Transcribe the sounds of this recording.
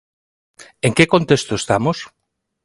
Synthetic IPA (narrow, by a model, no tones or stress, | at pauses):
eŋkekont̪est̪oest̪amos